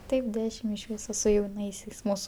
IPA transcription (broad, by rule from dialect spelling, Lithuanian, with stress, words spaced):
ˈtɐɪp ˈdʲæːʃʲɪm ɪʃ ˈʋʲiːsoː sʊ jɛʊˈnɐɪsʲɛɪs ˈmuːsʊ